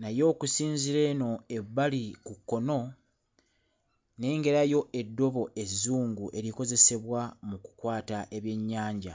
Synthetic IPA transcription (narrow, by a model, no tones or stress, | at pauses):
najo̞ːkusiːɲziɾe̞ːno̞e̞βːalikukːo̞no̞ | ne̞ːŋɡe̞ɾajo̞ʔe̞dːo̞βo̞ʔe̞zːuːŋɡuʔe̞ɾiko̞ze̞se̞βwamuku̥kwaːtaʔe̞βje̞ɲːaːɲɟa